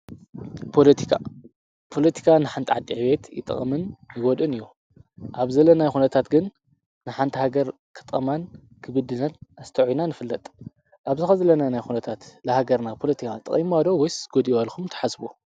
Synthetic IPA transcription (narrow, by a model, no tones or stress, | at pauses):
pʰolɐt̪ʰi̥kʰa̰ | pʰo̞lɐt̪ʰi̥kʰanɨħant̪ʰʼʕad̪ʼiʕβe̞t̪jɪ̰t̪ʼɨ̰χʼɐmɨnjɨɡod̪ɨnɨjːu | ʔaβzɐlːɐnajxunɐt̪ʰat̪ɡɨnː | ɨħant̪ʰihaɡɐɾ | kʰɨ̥t̪ʼɐman | kʰɨβɨd̪ɨnanʔast̪ʰɐʕujnanɨfɨlːɐt̪ʼ | ʔaβzɨxɐzɐlɐnanajxunɐt̪ʰat̪lɐhaɡɐɾnapʰo̞lɐt̪ʰikʰat̪ʼɨ̰χʼimad̪owɔjsɡod̪ialxʰumt̪ʰɐ̥ħasbu